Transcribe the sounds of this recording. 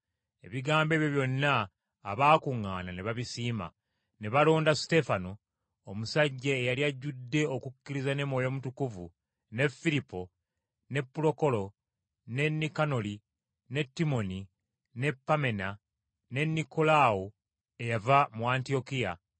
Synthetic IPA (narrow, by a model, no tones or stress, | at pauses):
e̞̰βiɡaːmbe̞βjo̞βjo̞nːaː | βaːkuŋːaːnaneβaβisiːma̰ | ne̞βalo̞ːndasi̥te̞fano | omusaɟːeːjaliaɟːudːe̞okukːiɾizane̞mwo̞ːjo̞mutukuvu | ne̞fːilipːo̞ | ne̞pːulo̞ko̞lo̞ | ne̞nːikano̞li | ne̞tːimo̞ni | ne̞pːame̞na | ne̞nːiko̞lao | e̞javamuaːntio̞kija̰